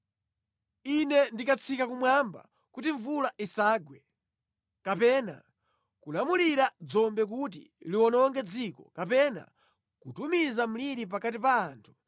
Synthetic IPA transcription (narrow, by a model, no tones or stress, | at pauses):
inɛndikat͡sʰikakumwamba̰ | kutiɱvulaʔisaːɡwɛ | kapɛːna̰ | kulamuliɾad͡zɔmbɛk̬ut̬ḭliwɔnɔŋɡɛd͡zikɔ̰kapɛna̰ | kutumizam̩liɾip̬akatipaːntʰu̥